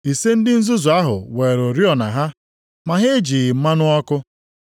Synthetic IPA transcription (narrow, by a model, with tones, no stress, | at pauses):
i˨se˦n̩˦dɪ˦n̩˦zʊ˦zʊ˨a˦ɦʊ̰˨we˨ɾo˨ɾi˦ɔ˨na̰˨ɦa˦ | ma˨ɦe˦d͡ʒi˨ɣɪ˨m̩˦ma˦nʊ˦ɔ˦kʊ˦